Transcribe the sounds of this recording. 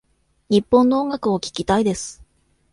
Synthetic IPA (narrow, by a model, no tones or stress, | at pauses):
ɲ̟ipːõ̞nːooŋɡakɯ̟o̞kʲi̥kʲit̪aid̪e̞sɨ̥